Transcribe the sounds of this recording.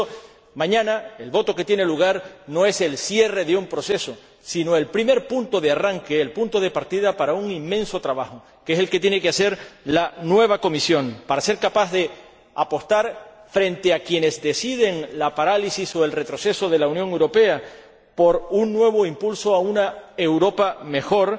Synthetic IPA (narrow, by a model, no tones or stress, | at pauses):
mãɲãnae̞lβo̞t̪o̞ke̞t̪je̞ne̞luɣ̞aɾno̞e̞se̞lsje̞re̞ðeumpɾo̞se̞so̞ | sino̞e̞lpɾime̞ɾpunt̪o̞ðearaŋke̞ːlpunt̪o̞ð̞e̞paɾt̪iðapaɾauŋimːẽ̞nso̞t̪ɾaβaxo | keese̞lke̞t̪je̞ne̞kease̞ɾlanwe̞β̞ako̞misjo̞ŋpaɾase̞ɾkapazðe̞ | apo̞st̪aɾfɾẽ̞nt̪e̞akje̞ne̞zd̪e̞sið̞e̞ŋlapaɾalisiso̞e̞lre̞t̪ɾo̞se̞so̞ðe̞launjoŋewɾo̞pe̞a | po̞ɾunːwe̞β̞o̞impulso̞aunae̞wɾo̞pame̞xo̞ɾ